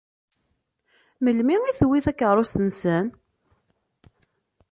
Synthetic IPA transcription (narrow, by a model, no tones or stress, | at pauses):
məlmiiθwiθækːəʁɾˤost̪ənsən